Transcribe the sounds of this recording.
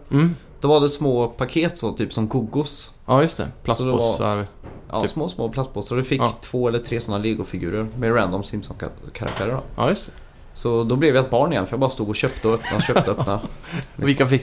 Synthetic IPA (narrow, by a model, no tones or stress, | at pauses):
d̪̥ɔvaɖɛsmoːpʰakʰeːt̪sɔt̪ʰyːpsɔmɡʊɡʊs | ʔɑːjɵst̪ɛ̰pʰlasɔd̪ɛva̰ɾʔɑ̰ːsmoːsmo̰ːpʰlast̪̚pʰɔsːaɾɔd̪ɛfɪkːt̪ʰv̥oːɛlːəʈ̪ʰɾeːsɔnːaleːɡʊfɪɡʉ̟ːɾəɾmɛɾænd̪ɔmsɪmsɔŋkʰa̰ɾa̰k̚t̪ʰæːɾəɖɔ̰jst̪ | sɔd̪ɔblɛvjaɛt̪̚bɑːɳɪjɛnfœɾjɑɡbɑːɾast̪uːɡɔɕøːpt̪əɔœpna̰ɕøːt̪əœpnavɪkːafɪk